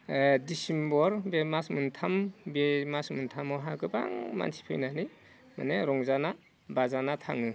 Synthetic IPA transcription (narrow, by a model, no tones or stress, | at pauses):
disimbɔɾbemasmɯntʰambemasmɯntʰamɔɦaɡɯba̰ŋma̰nsi̥pʰɯ̰jnani | ma̰neɾɔŋzana | bazanatʰa̰ŋɯ